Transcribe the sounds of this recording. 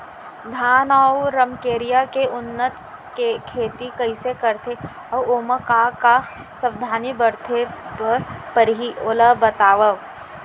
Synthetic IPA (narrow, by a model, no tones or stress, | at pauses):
d̪ʱaːnɔːwɾɐmkeːɾijakeʊnːət̪ | kekʰeːt̪ikɐɪsekɐɾt̪ʰe | ɔːoːməkaka | sɐʋd̪ʱaːnibɐɾt̪ʰepɐɾpəɾɦioːləbɐt̪aːʋə